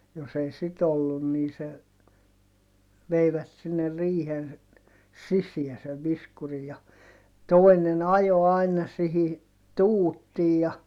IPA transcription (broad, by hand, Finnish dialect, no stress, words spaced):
jos ei sit olːun niː se ʋeiʋæt sinːe riːhen sisiæ seʋ ʋiskuri jɑ toi̯nen ɑjo ɑinɑ sihi tuːtːiːj jɑ